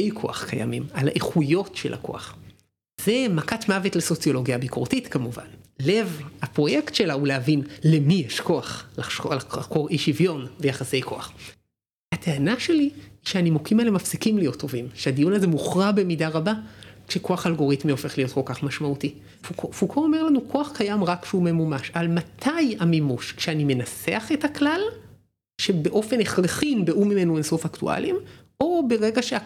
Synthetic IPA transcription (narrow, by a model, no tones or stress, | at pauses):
ejkʰo̞a̰χkaja̰mimala̰ʔeχujo̞tʃḛlʔa̰ko̞̰a̰χ | z̥e̞makatmavetleso̞t͡sjo̞lo̞ɡjabikʰoʁtitkamuva̰nlevhapʁo̞jektʃelaulehavinlemijeʃko̞aχlalkojeʃivjo̞nvejaχase̞jkʰo̞̰aχ | hateanaʃe̞liːʃeanimokimalemafsikimlijo̞tʰːo̞vimʃeadijunazemuχʁabe̞midaʁabakʃeko̞aχalɡo̞ʁit̪mio̞fe̞χlijo̞t̚ko̞lkaχmaʃmauti | fukofukʰoome̞ʁlanukʰo̞aχkajamʁakʃumemumaʃaalmatʰajamimuʃkʃeanime̞naseaχe̞taklal | ʃe̞be̞ʔo̞fe̞neχleχinbeʔumime̞nuenso̞faktṵʔa̰lim | o̞be̞ʁe̞ɡaʃe